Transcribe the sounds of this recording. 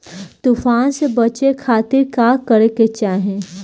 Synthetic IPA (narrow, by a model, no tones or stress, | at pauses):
t̪ufaːnsebɐt͡ʃekʰaːt̪ɪɾkaːkəɾeket͡ʃaːɦẽ